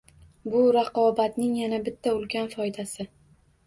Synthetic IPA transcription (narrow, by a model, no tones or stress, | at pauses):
bʊɾaqʰɒbat̪nɪŋjanabɪt̪ʰːaʊlˠɡʲanfɒjd̪asɪ